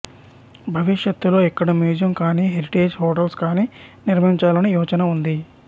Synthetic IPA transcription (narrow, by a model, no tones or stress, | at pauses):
bʱɐʋiʂjɐt̪ːulo̞ːɛkːɐɽɐmjuːd͡ʒjɐmkaːniːɦeɾiʈe̞ːd͡ʒhoːʈɐlskaːniːniɾmɐiɲt͡ʃaːlɐnijuːt͡ʃɐnɐund̪i